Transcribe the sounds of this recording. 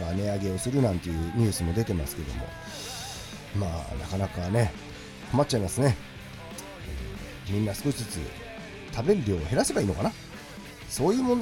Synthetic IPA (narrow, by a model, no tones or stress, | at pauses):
ane̞aɡe̞o̞sɨɾɯ̟nãnt̪e̞jɯ̟ːɲ̟ɨ̟ːsɨmo̞d̪e̞t̪e̞masɨ̥ke̞d̪o̞̰mo̞̰ | ma̰ːna̰kanakane̞ | komat͡ɕ̚t͡ɕaimasɨne̞ | mʲĩnːasɨ̥ko̞ɕi̥t͡sɨt͡sɨ̰ | t̪ʰabe̞ɾɯ̟ɾʲo̞ːhe̞ɾase̞baiːno̞kana | so̞ːjɯ̟ːmõnd̪